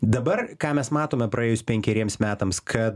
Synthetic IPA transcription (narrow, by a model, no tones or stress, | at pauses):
d̪ɐbɐrkɑːmʲɛsmɑːt̪oːmʲɛpɾʔɐeːjʊspʲɛŋʲkʲɛɾʲiɛmsmʲæːt̪ɐmskʰɐt̪